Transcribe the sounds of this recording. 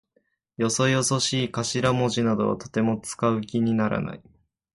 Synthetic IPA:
jo̞so̞jo̞so̞ɕiːkaɕiɾamo̞ʑinad̪o̞βa̰t̪o̞̥t̪e̞mo̞t͡sɨ̥kaɯ̟kʲiɲ̟inaɾa̰na̰i

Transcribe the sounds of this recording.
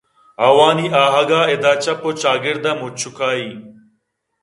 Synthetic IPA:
ɐwaːniːʔaːɦɐɡaːed̪aːt͡ɕɐpot͡ʃaːɡɪɾd̪ɐmut͡ɕʰukaːiː

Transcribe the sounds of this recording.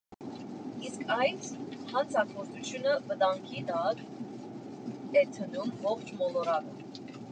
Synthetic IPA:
iskʰɑjtshɑnt͡sʰɑkɔɾt͡sut͡sʰjunəvət̪ɑŋkʰit̪ɑk | ɛt̪ʰənumvɔχt͡ʃʰmɔlɔɾɑɾə

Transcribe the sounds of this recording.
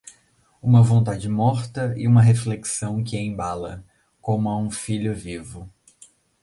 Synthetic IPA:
ũmɐvõnt̪ad͡ʒɪmɔɾt̪ɐɪ̰ũmɐɦefleksɐ̃w̃kɪẽbalɐ | kõmʊɐũfiʎʊvivʊ

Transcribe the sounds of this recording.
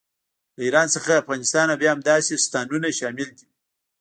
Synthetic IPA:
ləiɾɑnsəxaafɣɑnɪst̪ɑnabjɑamd̪ɑsest̪ɑnunaʃɑmɪld̪i

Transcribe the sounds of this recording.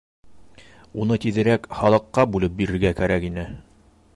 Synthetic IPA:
unɤt̪iðɘ̆ɾækχɑlˠɤ̆qːɑbulˠɤp̚biɾɘ̆ɾɡækæɾækinɘ

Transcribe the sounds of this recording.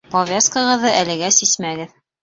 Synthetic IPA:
povʲeskɤ̆ʁɤ̆ðːɤʔælɘ̆ɡæsismæɡɘð

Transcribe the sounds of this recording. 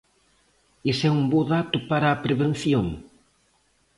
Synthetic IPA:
esɛumboðat̪ʊpaɾɐːpɾeβen̟θjoŋ

